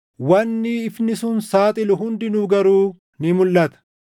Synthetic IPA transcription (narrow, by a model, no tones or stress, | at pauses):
wɐnːiːɪfnɪsʊnsaːt̪ʼɪlʊɦʊnd̪ɪnuːɡɐɾuː | nɪmʊlːɐt̪ɐ̥